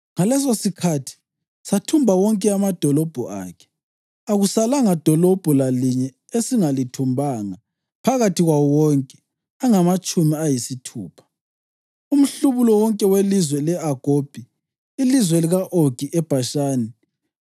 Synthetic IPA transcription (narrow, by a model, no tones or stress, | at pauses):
ŋalɛs̬osikʰatʰi̥ | satʰumbʱawɔŋkʼɛamad̥ʱɔlɔb̥ʱɔʔa̰ːkʰɛ̥ | aɣusalaŋad̥ʱɔlɔb̥ʱulaliɲɛ | esiŋalitʰumbʱaŋa | pʰaɣatʰiɣwaɔwɔŋkʼɛ̥ | aŋamat͡ʃʼumiajisitʰuːpʰḁ | um̩ɬuβulɔwɔŋkʼɛwelizwɛlɛaɡ̥ʱob̥ʱi | ilizwɛliɣaʔoɡ̥ʱiʔɛb̥ʱaʃaːni